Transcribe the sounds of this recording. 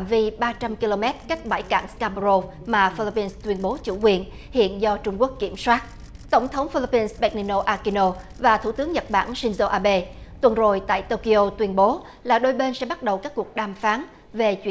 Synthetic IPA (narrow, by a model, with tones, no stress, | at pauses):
aː˨mvi˧ɓaː˧t͡ɕa˧mki˧lo˧mɛ˦˥t̚ka˦˥jk̟̚ɓa̰˧˩jka̰ː˧˩ŋskaː˧m˧ɾo˧f | maː˨˩fi˧li˧˥pi˧nst̪wi˧ənɓo˨˦t͡ɕṵ˧˩kwi˨˧˩ən | hḭ˧˨ənzɔ˧t͡ɕʊ˧ŋ͡mku˦˥əkːi˧˩əmswaː˦˥t̚ | t̪ə˧˩wŋ͡mt̪ʰə˨˦wŋ͡mfi˧li˧˥pi˧nsɓɛ˦˥t̚ni˧no˧ʔaː˧ki˧no˧ | vaː˨˩t̪ʰu˧˩t̪ɨ˨˦ŋɲə˨˩t̚ɓa̰ː˧˩nsi˧ŋ̟zo˧ʔaː˧ɓe˧t̪wə˨˩nzo˨˩jt̪a̰ː˧˨jt̪o˧ki˧ʔo˧t̪wi˧ənɓo˨˦ | laː˨˩ɗo˧jɓe˧nsɛ̰˧˥ɓa˦˥t̚ɗə˨˩wkaː˦˥k̚ːu˨˩ək̚ɗaː˨˩mfaː˨˦n | ve˨˩t͡ɕwḭ˧˥